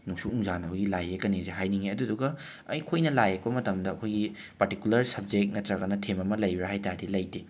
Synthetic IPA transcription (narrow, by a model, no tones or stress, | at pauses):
nuksuuŋzanɐbɐɡilajekɐnizeɦajniŋeɐduduɡɐ | ɐjkʰojnɐlajekbɐmɐtɐmdɐːkʰojɡi | pɐɾtikjulɐɾsɐb̚d͡ʒek̚nɐtɾaɡɐnɐtʰemɐmɐlɐjbiɾaɦajtadilɐjde